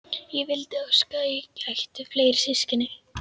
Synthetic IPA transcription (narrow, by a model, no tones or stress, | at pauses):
jɛvɪlt̪ɪœskaɪcajxt̪ʏfleːjɾ̥sɪscɪnɪ